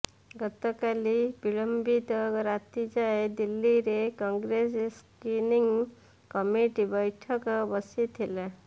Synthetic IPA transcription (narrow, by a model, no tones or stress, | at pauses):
ɡɔt̪ɔkalib̥iɭəmbit̪ɾat̪id͡ʒaed̪ilːiɾekɔ̃ŋɡɾesskiniŋɡ | kɔmiʈibəjʈʰəkbəsit̪ʰila